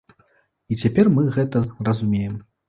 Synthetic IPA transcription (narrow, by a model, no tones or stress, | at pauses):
it͡sʲapʲɛrmɨɣɛt̪ɐrɐzumʲejɛm